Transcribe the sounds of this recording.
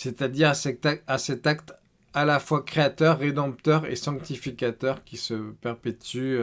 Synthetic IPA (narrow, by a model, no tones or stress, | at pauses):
set̪ad̪iʁasɛasɛt̪akt̪ | alafwakχeat̪œʁːed̪ɑ̃p̚t̪œʁḛsɑ̃k̚t̪ifikʲat̪œʁkʲisəpɛʁpet̪y